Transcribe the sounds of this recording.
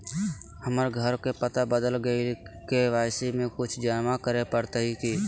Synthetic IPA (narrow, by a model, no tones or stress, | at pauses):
həməɾɡʱəɾkepət̪abəd̪əlɡəikeʋaɪsimẽkʊt͡ʃʰd͡ʒanmakəɾepəɾt̪əɦiki